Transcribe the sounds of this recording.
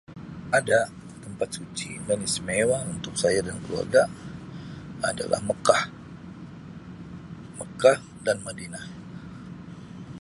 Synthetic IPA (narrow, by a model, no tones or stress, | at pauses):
ada | t̪əmpat̪̚sut͡ʃidanismewaunt̪ʊk̚sajadankəlua̰rɡa | ada̰la̰hməkah | məkah | danmadina